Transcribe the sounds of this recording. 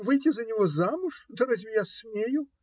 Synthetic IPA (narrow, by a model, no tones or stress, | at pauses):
vɨjtʲɪzɐnʲɪvozamʊʂd̪ɐɾazʲvʲɪjasmʲejʊ